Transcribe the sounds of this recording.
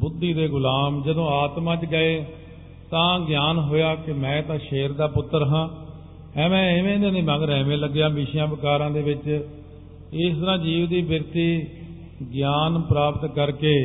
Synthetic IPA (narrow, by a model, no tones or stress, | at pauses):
bʊd̪ːiːd̪eːɡʊlaːmd͡ʒəd̪õːaːt̪mãːt͡ʃɡəeː | t̪ãːɡjaːnɦoːjaːkɪmɛ̃ːt̪ãːʃeːɾd̪aːpʊt̪ːəɾɦãː | ɛ̃ːmɛ̃ːɪʋẽːd̪ẽːnẽːmãːɡɾɛːmẽːləɡːjaːbiːʃjãːbəkaːɾãːd̪eːʋɪt͡ʃ | ɪst̪əɾãːd͡ʒiːʋd̪iːbəɾt̪iː | ɡjaːnpɾaːpət̪kəɾkeː